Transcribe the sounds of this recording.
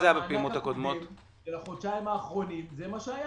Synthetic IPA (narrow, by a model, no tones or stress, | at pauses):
ajabepeiimot̪hakod̪mot̪ | elaχod̪ʃaimaːχʁo̞nimzemaʃeaja